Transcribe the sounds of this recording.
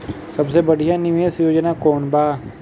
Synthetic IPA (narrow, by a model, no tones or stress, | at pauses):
səbseːbəɽijãːnɪʋeːsjoːd͡ʒnaːkoːɳbaː